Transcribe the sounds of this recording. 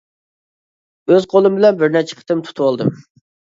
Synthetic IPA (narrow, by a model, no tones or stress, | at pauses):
øzqʰolˠɨmbɪlɛnbɪɾnɛt͡ʃʰɛ̥qʰə̥t̪ɨmt̪ʰu̥t̪ʰwolˠd̪ɨm